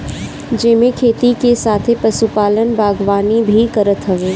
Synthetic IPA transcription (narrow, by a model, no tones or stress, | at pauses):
d͡ʒɪmẽkʰeːt̪ikesaːt̪ʰepɐsupaːlənbʱaːɡʋaːnibʱikɐɾət̪ɦɐʋeː